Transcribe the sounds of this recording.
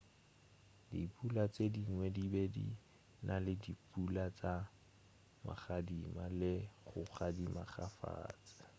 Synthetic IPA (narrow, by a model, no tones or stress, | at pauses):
dḭpʰʼulat͡sediŋwɛdibedḭ | nʔalɪdipʼulat͡sa | ma̰χadimalɪχʊχadimaχafa̰ːt͡sɪ̥